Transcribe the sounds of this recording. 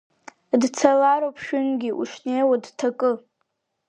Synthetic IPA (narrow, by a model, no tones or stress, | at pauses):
dt͡sʰalaɾowpʰʃᶣʊnɡʲiʔṵʂnejwadtʰakʼɨ